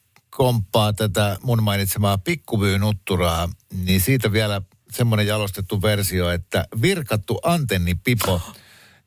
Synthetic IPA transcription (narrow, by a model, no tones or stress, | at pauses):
kompːɑːt̪æt̪æmunmɑinit̪semɑːpikːuʋyːnut̪ːurɑːninsiːt̪æʋiælæ | semːonejjɑlost̪et̪ːuʋersioet̪ːæ̰ʋirkɑt̪ːuʔɑnt̪enːipipo